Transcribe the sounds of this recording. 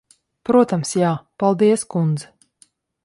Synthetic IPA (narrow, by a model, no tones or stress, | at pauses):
pɾuɔt̪amsjaːpalˠd̪iɛskund̪zɛ